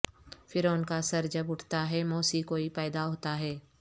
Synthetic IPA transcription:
fɪɾoːnkasɐɾd͡ʒɐbʊʈʰt̪aɦɛmoːsikoːipɛːd̪aɦoːt̪aɦɛː

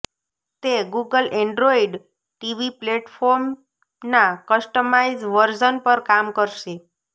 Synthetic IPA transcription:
t̪eɡuɡəlɛ̃ɳɖɾoiɖ | ʈiʋipleʈfoɾm | nakəsʈəmaizʋəɾd͡ʒənpəɾkamkəɾʃe

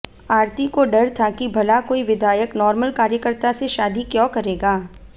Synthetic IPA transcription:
aːɾt̪ikoɖɐɾt̪ʰakibʱɐlakoːiʋɪd̪ʱaːjəknɔːɾməlkaːɾjəkəɾt̪aseʃaːd̪ikjõːkɐɾeːɡaː

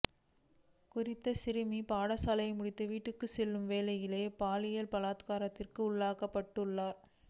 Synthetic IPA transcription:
kʊrɪt̪ːɐsɪɾɯmipaːɽɐsaːlɐɪmʊɽɪt̪ːɐʋiːʈːɯkːɯsɛlːɯmʋeːlɐjɪleːpaːlɪjɐlpɐlaːt̪kaːɾɐt̪ːɪrkɯʊɭːaːkɐpːɐʈːɯɭːaːɾ

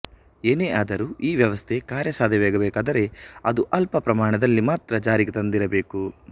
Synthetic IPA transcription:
eːneːʔaːd̪ɐɾuːiːʋjɐʋɐst̪ʰe̞kaːɾjɐsaːd̪ʱjɐʋeːɡɐbɛːkaːd̪ɐɾe̞ɐd̪uʔɐlpɐpɾɐmaːɳɐd̪ɐlːimaːt̪ɾɐd͡ʒaːɾiɡet̪ɐnd̪iɾɐbeːku

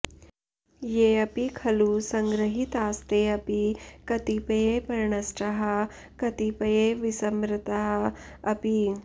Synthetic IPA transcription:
jeːɐpikʰɐlusɐŋɡɾɐɦit̪aːst̪eɐpikɐt̪ipɐjepɐɾɳɐsʈɐɦɐ | kɐt̪ipɐjeʋisɐmɾɪt̪ɐɦɐɐpi

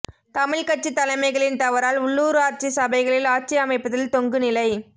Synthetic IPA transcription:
t̪ɐmɪɭkɐʈ̚t͡ʃːit̪ːɐlɐɪmɐɪɣɐɭɪnt̪ɐʋɐɾaːlʊɭːuːɾɯaːɾt͡ʃisɐbɐɪɣɐɭɪlaːɾt͡ʃijɐmɐɪpːɐðɐlt̪ɔŋɡɯnɪlɐɪ

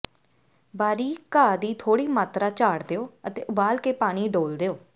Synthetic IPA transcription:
baːɾiːkaːd̪iːt̪ʰoːɽiːmaːt̪ɾaːt͡ʃaːɽd̪eːoːət̪ḛːʔʊbaːlkeːpaːɽ̃iːɖoːld̪eːoː

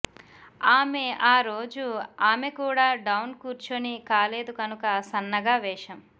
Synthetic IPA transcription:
aːme̞aːɾo̞ːd͡ʒuaːme̞kuːɽaːɖɐwnkuːɾt͡ʃonikaːle̞ːd̪ukɐnukɐsɐnːɐɡaːʋɛːʂɐm

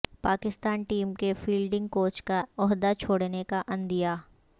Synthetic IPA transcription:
paːkɪst̪aːnʈiːmkefiːlɖɪ̃ŋɡ̚koːt͡ʃkaɔɦd̪at͡ʃʰoːɽnekaʔɐ̃nd̪ijaː

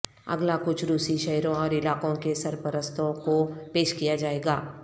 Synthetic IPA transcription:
ɐ̰ɡlakʊt͡ʃʰɾuːsiʃɛɦɾõɔːɾɪlaːkõkesɐɾpəɾəst̪ʰõkopeːʃkijad͡ʒaːeːɡaː

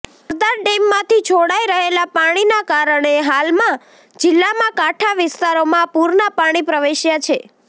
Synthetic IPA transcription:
əɾd̪aɾɖemːãt̪ʰit͡ʃʰoɽaiɾəɦelapaɽ̃inakaɾəɳ̃eɦalmã | d͡ʒɪlːamãkaʈʰaʋɪst̪aɾomãpuɾnapaɽ̃ipɾəʋeʃjat͡ʃʰe

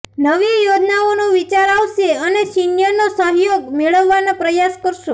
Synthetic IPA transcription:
nəʋijod͡ʒnaonũʋit͡ʃaɾaʋʃeənesinjəɾnosəɦjoɡmeɭəʋːanapɾəjaskəɾʃõ

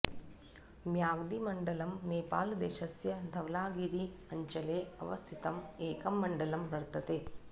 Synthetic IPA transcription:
mjaːɡd̪imɐɳɖɐlɐmneːpa̰ːld̪eːʃɐsjɐd̪ʱɐʋlaːɡiɾiɐɲt͡ʃɐleːɐ̰ʋɐst̪ʰit̪ɐmeːkɐmːɐɳɖɐlɐmɾɐɾt̪ɐt̪eː

